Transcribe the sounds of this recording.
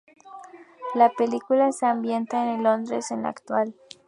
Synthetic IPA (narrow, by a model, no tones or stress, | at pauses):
lape̞likulaseambje̞nt̪aenelo̞nd̪ɾesenla̰kt̪wal